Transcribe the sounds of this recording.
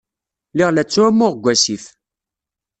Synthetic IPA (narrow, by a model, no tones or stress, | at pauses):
liʁlæt͡sːʊæmːʊʁɡʷæsif